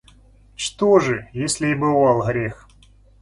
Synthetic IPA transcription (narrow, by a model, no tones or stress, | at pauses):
t͡ʃt̪oʐɨjesʲlʲɪibɨvɑlˠɣɾʲex